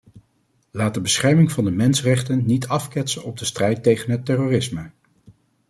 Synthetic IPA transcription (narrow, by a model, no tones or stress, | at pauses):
laːt̚dəbəsχɛɹmɪŋvɑndəmɛnsərɛχtənːitʰɑfkɛtsənɔb̚dəstrɛjtejχənɦətːɛroːrɪsmə